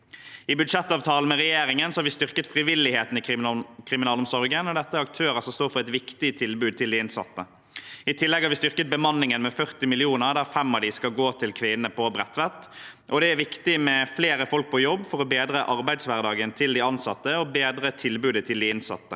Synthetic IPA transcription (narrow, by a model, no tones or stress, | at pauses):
ɪbʉd̪ʂɛt̪ːɑːʋt̪ʰɑːln̩mɛʁɛjeːɾɪŋənsɔhɑɾʋɪst̪ʏʁkət̪fʁɪʋɪlːɪheːt̪n̩ɪkʰʁɪmɪnɑːlɔmsɔɾɡənɔd̪ɛt̪ːəɑk̚t̪ʰøːɾəsɔmst̪oːɾfɔʁɛt̪ʋɪkt̪ɪt̪ʰɪlbʉːd̪̚t̪ɪld̪ɪɪnsɑ̰t̪ːə | ɪt̪ʰɪlːɛɡhɑɾʋɪst̪ʏʁkət̪̚bəmɑnːɪŋənmɛfœʁt̪ɪmɪlɪuːnəʁd̪æːfɛmːɑʋd̪ɪskɑlɡoːt̪ʰɪlkʰʋɪnəpʰɔbʁɛt̪ːʋɛt̪ːʔɔd̪ɛæɾʋɪkt̪ɪmɛfleːɾəfɔlk̚pʰɔjɔbːfɔɾɔbeːd̪ɾəʔɑɾbæɪd̪sʋæʁd̪ɑːɡənt̪ʰɪld̪ɪɑnsɑt̪ːəɔbeːd̪ɾət̪ʰɪlbʉːd̪ət̪ʰɪld̪ɪɪnsɑ̰t̪ːə